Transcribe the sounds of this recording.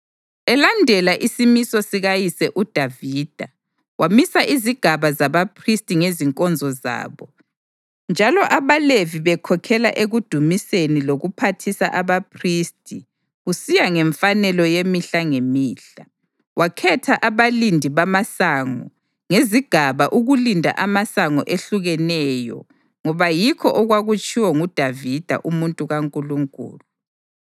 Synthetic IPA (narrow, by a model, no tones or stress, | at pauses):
ɛlandʱɛlaʔisimisɔsiɣajisɛʔud̥ʱaviːd̥ʱa | wamisaʔiziɡ̥ʱaβazaβapʰristʼiŋeziŋkʼɔnd͡zʱɔza̰ːβɔ | nd͡ʒʱalɔʔaβaleviβɛkʰɔkʰɛla̰ʔeɣud̥ʱumiseniloɣupʰatʰisaʔaβapʰristʼi | ɣusijaŋɛɱfanɛlɔjemiɬaŋemiːɬa | wakʰɛtʰaʔaβalindʱiβamasaŋɔ̰ | ŋeziɡ̥ʱaβaʔuɣulindʱa̰ʔamasaŋɔ̰ʔeɬuɣɛnɛjɔ̰ | ŋɔβajikʰɔʔɔɣwaɣut͡ʃʼʰiwɔŋud̥ʱavid̥ʱa̰ʔumuntʼuɣaŋkʼuluŋkʼṵːlu